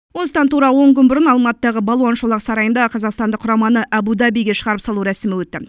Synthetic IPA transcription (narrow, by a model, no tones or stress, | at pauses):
wo̞nsd̪ɑnt̪uɾɑəwo̞ɴkʲʰʏnbʊɾənɑlˠmɑt̪əd̪ɑʁəbɑlˠwɑnʃolˠɑqsɑɾɑjənd̪ɑqʰɑzɑqst̪ɑnd̪əqʰːʊɾɑmɑnəʔæbud̪ɑbijɡʲe̞ʃəʁɑɾəpsɑlˠuɾæsɪmɪwɵt̪ːɪ